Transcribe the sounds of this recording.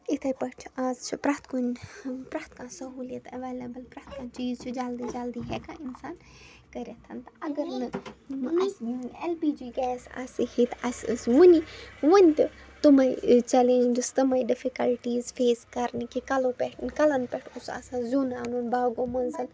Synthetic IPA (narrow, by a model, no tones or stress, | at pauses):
it̪ʰɐpɐʈʰaːzt͡ʃʰupɾaːt̪ʰkunʲpɾaːt̪ʰkãːsɐɦuːlɐt̪ɐʋeːlɐbəlpɾaːt̪ʰkãːt͡ʃiːzt͡ʃʰud͡ʒald̪id͡ʒald̪iɦɛkãinsaːn | kɐɾʲet̪ʰɐnt̪ɐɐɡɐɾnɨ | elpiːd͡ʒiːɡɛːsa̰ːsihit̪ʰasɨsʋuniʋunʲt̪ɨ | t̪umɐit͡ʃɐlẽnd͡ʒɐst̪ɐmɐiɖɪfikɐlʈiːzfeːskɐɾnikikɐlopɛʈʰnkɐlɐnpɛʈʰʊsa̰sazunaːnunbaːɡõːmɐnzɨl